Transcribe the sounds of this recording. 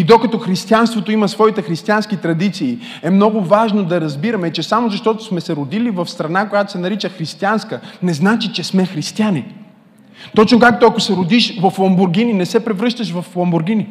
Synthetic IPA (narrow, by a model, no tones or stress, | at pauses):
id̪okɐt̪ɔxɾist̪ianst̪vot̪oimɐsvɔit̪ɛxɾist̪ianskit̪ɾɐd̪it̪siː | ɛmnɔɡʊvaʒnod̪ɐɾɐzbiɾɐmɛt͡ʃɛsamozɐʃt̪ɔt̪o̥smɛsɛɾʊd̪ilivɐfst̪ɾɐnakojat̪o̥sɛnɐɾit͡ʃəxɾist̪ianskənɛznat͡ʃit͡ʃɛsmɛxɾist̪iani | t̪ɔt͡ʃnokak̚t̪oɐkosɛɾod̪iʃvɐflˠombʊɾɡininɛsɛpɾɛvɾɤʃt̪əʃvɐflˠɐmbʊɾɡʲini